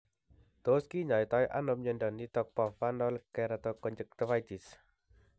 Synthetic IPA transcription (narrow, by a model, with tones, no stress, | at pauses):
t̪o˨ski˦ɲɔ˨jt̪ɔ˧˦jʔa̰˦nɔ˧mɲə˧ndɔ˨ni˧t̪ɔ˧k̚pɔ˨fa˧ndɔ˧lkːɛ˧ɾa˧t̪ɔ˧kɔ˧nd͡ʒə˨k̚t̪ə˧fa˧jt̪i˨s